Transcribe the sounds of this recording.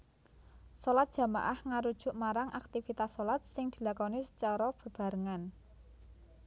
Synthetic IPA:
solat̪̚dʒ̥a̤maʔahŋaɾud̥ʒ̥ʊ̤ʔmaɾaŋʔak̚t̪ifit̪asːolat̪̚sɪŋd̪̥i̤lakɔnisə̥t͡ʃɔɾɔb̥ə̤b̥a̤ɾəŋan

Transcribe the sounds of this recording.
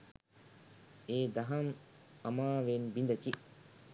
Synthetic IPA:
eːd̪ɐɦɐmɐmaːʋenbind̪ɐt͡ʃi

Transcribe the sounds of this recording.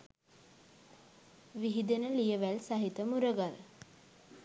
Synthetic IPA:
ʋiɦid̪enəlijəʋælsaɦit̪əmuɾəɡal

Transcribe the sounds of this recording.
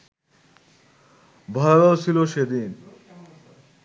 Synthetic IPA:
bʱɔlabat͡ɕʰiloʃed̪in

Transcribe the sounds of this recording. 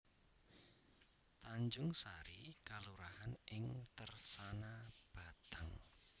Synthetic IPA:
t̪aɲd͡ʒʊŋsaɾikaluɾahanʔɪŋt̪ərsanab̥a̤t̪aŋ

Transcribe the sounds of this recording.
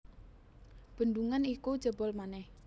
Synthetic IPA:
b̥ə̤nd̪uŋanikud̥d͡ʒ̥ə̤bɔlmanɛh

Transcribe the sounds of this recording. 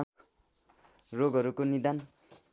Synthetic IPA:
roɡʱʌɾukonid̪an

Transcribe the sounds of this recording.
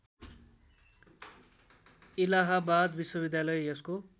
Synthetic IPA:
ilaɦabad̪biswʌbid̪jalʌjʌsko

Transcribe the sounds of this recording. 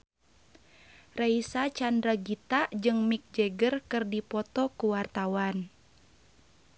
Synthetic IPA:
raisat͡ʃandɾaɡit̪aʔd͡ʒɨŋmik̚d͡ʒɛɡərkɨrdipɔt̪ɔkuwart̪awan

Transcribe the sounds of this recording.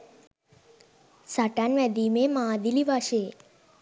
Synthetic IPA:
saʈanʋɛd̪imemãd̪iliʋaʃe

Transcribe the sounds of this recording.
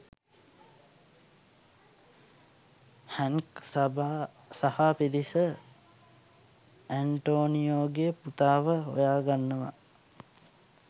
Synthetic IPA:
hæŋkb | sahapiɾisə | æɳʈoːnijoːɡejəput̪aːʋəɦo̰jaːɡanːəʋa̰

